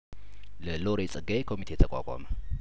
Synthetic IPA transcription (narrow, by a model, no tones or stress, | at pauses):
ləloɾet͡sʼɨɡaekʰo̞mit̪ʰejt̪ʰəkʼa̰kʷʼa̰mə